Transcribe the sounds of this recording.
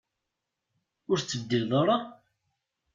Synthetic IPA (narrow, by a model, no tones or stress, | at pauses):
ʊɾt͡sːəvd̪ilðˤoɾˤɑ